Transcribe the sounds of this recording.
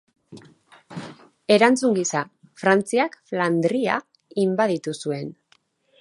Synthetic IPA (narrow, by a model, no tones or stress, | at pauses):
e̞ɾant͡suŋɡisa | fɾant͡siakfland̪ɾia | imbaðit̪usue̞n